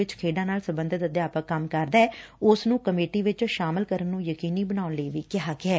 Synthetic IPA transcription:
ɪt͡ʃkʰeːɖãːnaːlsəbə̃nd̪ʱət̪əd̪jaːpəkəmkəɾd̪aːɛːʊsnũːkəmeːʈiːʋɪt͡ʃʃaːməlkəɾənːũːjəkiːniːbənaːʊnləiːʋiːkɪɦaːkɪɛː

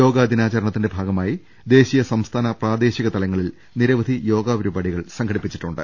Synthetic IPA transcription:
o̞ːɡaːd̪inaːt͡ɕɐɾɐɳɐt̪ːinde̞bʱaːɡɐmaːji | d̪e̞ːɕijɐsɐmst̪ʰaːnɐpraːd̪e̞ːɕiɣɐt̪ɐlɐŋːɐɭil | niɾɐʋɐd̪ʱijo̞ːɡaːʋɐɾubaːɽiɣɐɭsɐŋkʰɐɽipːit͡ɕːi̥ʈːuɳɖɨ̰

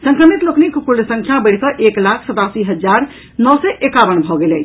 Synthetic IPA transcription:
sə̃ŋkɾəmit̪loknikpulsə̃ŋkʰjabəɽ̤kəʔeklakʰsət̪asiɦəd͡ʒaɾ | nɔsɛʔekaʋənbʱɔɡelɛ

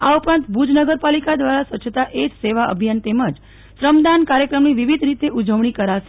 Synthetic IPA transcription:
aupɾãnt̪bʱud͡ʒnəɡəɾpalikad̪ʋaɾasʋət͡ʃʰt̪aʔed͡ʒseʋaʔə̰bʱijant̪eməd͡ʒ | ʃɾəmd̪ankaɾjəkɾəmniʋiʋid̪ʱɾit̪eʔud͡ʒəʋɳikəɾaʃe

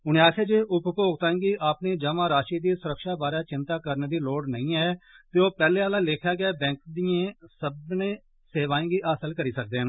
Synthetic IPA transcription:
ʊnẽːaːkʰeːd͡ʒeːʔʊppoːɡt̪aːẽːɡiːʔaːpneːd͡ʒəmãːɾaːʃiːd̪iːsʊɾəkʃaːbaːɾjaːt͡ʃɪnt̪aːkəɾneːd̪iːloːɽnəĩːɛːt̪eːoːpɛːleːaːlãːlɪkʰjaːɡɪɛːbɛ̃ːŋk̚d̪iːẽːsəbnẽː | seːʋaːẽːɡiːʔaːsəlkəɾiːsək̚d̪eːɦə̃n

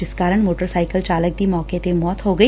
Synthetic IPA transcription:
ɪskaːɾəɳ̃moːʈəɾsaːɪkəlt͡ʃaːlək̚d̪iːmɔːket̪emɔːt̪ɦoɡəi

